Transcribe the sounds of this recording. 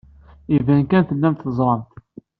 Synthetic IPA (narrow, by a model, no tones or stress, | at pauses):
ivænkænθəlːæmt̪θəzˤɾˤɑmt̪